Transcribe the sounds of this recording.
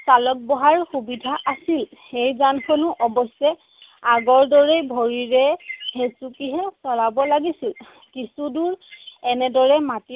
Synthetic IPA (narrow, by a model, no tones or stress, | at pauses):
salɔk̚bɔɦaɹxubidʱaʔasilxejzankʰɔnuʔɔbɔsɛ | aɡɔɹdɔɹejbʱoɹiɹɛhesukiɦɛsɔlabɔlaɡisil | kisuduɹɛnɛdɔɹɛmati